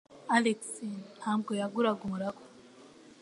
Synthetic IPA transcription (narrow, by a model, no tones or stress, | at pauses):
aleksihaːmɡojaɡuɾaɡomuɾaɡo̥